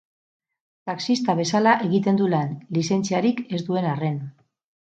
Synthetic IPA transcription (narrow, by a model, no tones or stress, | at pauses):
t̪aksist̪aβe̞salaʔe̞ɣit̪e̞nd̪ulenlise̞nt͡siaɾike̞zd̪ue̞nare̞n